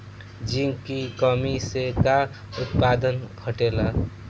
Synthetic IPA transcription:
d͡ʒiŋkikɔmiseka | ʊt̪̚paːd̪ənkʰəʈeːla

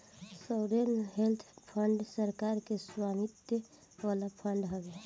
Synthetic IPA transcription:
səwɾenɦelt̪ʰpʰəɳɖsəɾkaɾkeswamit̪j | ʋalapʰəɳɖɦobe

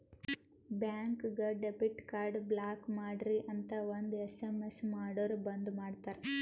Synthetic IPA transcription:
bjaːŋkɡɐɖebiʈkaːɾɖblaːkmaːɖɾiʔɐnt̪ɐond̪uesemesmaːɽoːɾbɐnd̪umaːɖt̪aːɾe

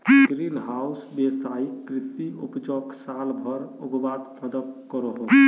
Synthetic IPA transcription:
kɾilɦausbesaikːɾit̪iupd͡ʒoksalbʱəɾoɡʋat̪mʰəd̪ək̚kɔɾəɦo

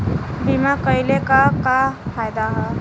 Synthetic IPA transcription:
bimakəjlekakafʰajd̪aɦɔ

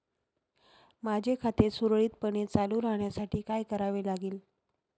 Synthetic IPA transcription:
mad͡ʑʱekʰat̪esuɾɭiːt̪̚pəɳet͡saluɾaɦɳjasaʈiːkajkəɾaʋelaɡiːl

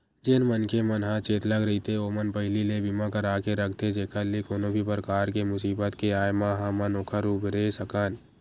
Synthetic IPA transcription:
d͡ʒɪnmənkemənɦãt͡ʃeːt̪ləɡɾəit̪ʰeoːmənpəɦɪlilebimãkəɾaːkeɾək̚ʰt̪ʰed͡ʒeːkʰalekoːnõbʱipɾəkaːɾkemʊsiːbət̪keaːjmãɦãmənoːkʰaɾuːbɾesəkaːn

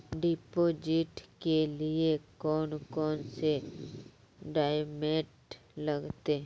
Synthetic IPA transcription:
ɖipoːd͡ʒɪʈkelɪekɔːnkɔːnse | ɖaːjmeːʈ | ləɡt̪e

